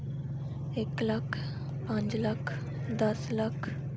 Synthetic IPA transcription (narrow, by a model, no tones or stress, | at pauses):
eklakʰ | pãɲt͡slakʰ | d̪əslakʰ